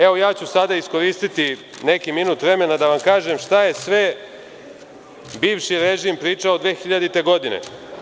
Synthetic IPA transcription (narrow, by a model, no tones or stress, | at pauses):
eʋo̞jaːt͡ɕusad̪aisko̞ɾiːst̪it̪i | ne̞kiminut̪ʋɾe̞me̞nad̪aʋamkaːʒemʃt̪aje̞sʋe̞ | biːʋʃiɾeʒimpɾiːt͡ʂaod̪ʋeːxiʎad̪it̪e̞ɡo̞d̪inḛ